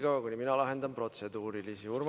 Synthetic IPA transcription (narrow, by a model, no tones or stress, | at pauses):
ɡ̥ɑɑkuniminɑlɑɦe̞nd̪ɑmpro̞t̪se̞d̪uːɾilisiurm